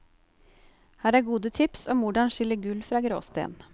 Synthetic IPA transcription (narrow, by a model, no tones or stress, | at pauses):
hæːɾæːɾɡuːd̪ət̪ʰɪpsɔːmʋʊɖɑnʂɪləɡʉlfɾɑːɡɾo̰ːst̪ḛːn